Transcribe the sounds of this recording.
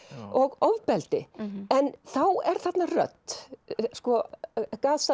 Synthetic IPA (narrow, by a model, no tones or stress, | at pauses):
ɔɣɔvpɛlt̪ɪɛnθawɛɾ̥θat̪narœ̰t̪ | skɔkaːðsa